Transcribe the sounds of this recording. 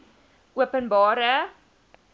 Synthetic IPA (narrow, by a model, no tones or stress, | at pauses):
ʔuəpənbɑːɾə